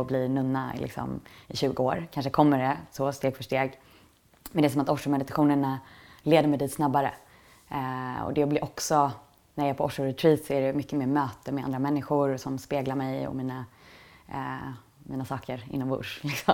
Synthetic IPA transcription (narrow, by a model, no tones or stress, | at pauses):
blinɵnːaɪ̰lɪ̰ksɔ̰mɪɕʉ̟ːɡəoːɾkʰanʂəkʰɔmːəɖɛsɔst̪eːɡfœʂʈeːɡ | mɛnd̪ɛːsɔmat̪ɔʂʊmɛd̪ɪt̪aɧuːnəɳaleːd̪əɾmɛjd̪iːt̪snabːaɾə̰ | ɔ̰d̪ɛblɪʔɔksɔ | næɾjɛːɾpʰɔɔʂʊɾɛt̪ʰɾiːt̪sɔæɖɛmʏkːəmeːmøːt̪əmɛa̰nd̪ɾamɛnːɪxʊɾsɔmspeːɡlaɾmɛjɔ̰miːna | miːnasɑːkʰəɾɪ̰nːɔmvʊ̰ʂlɪksɔm